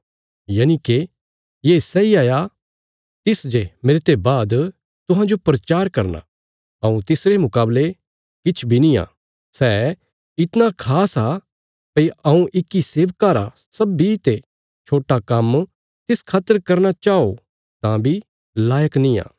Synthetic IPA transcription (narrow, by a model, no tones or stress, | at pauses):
jaːnike | jeːsɛiaːja | t̪ɪsd͡ʒemeːɾt̪ebaːd̪ | t̪ʊ̃ɦãd͡ʒopɾɐt͡ʃaːɾkɐɾna̰ | ɐũt̪ɪsɾemʊkaːble | kɪt͡ʃʰbʱinĩã̰ː | sɛ | ɪt̪nakʰaːsa | pɐiɐũʔɪkːiseːʋkaːɾa̰ | sɐbːit̪e | t͡ʃʰoːʈakɐm | t̪ɪskʰaːt̪əɾkɐɾnat͡ʃaːo | t̪ãbʱi | laːjəknĩã̰ː